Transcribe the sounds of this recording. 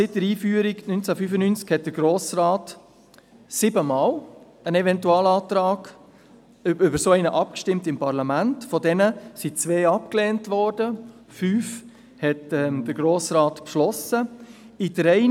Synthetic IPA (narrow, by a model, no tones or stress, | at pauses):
sɪt̚dəɾiːfyːəɾiɡnynt͡sæfyfənynt͡skhɛt̚d̥əɾɡ̥ɾoːsraːt | sɪbəmɑːl | ənɛvɛntuɑːlɑːtɾɑːɡ̥ | ʏbəɾsoɛɪnəʔɑp̚kʃtɪmtɪmpɑɾlɑmæntfɔdɛnəsit͡sʋeːɑp̚kleːntʋɔːɾdə | fyːf | hɛtɛmd̥əɾɡ̥ɾoːsɾɑːtpʃlɔsə | idɾɛɪ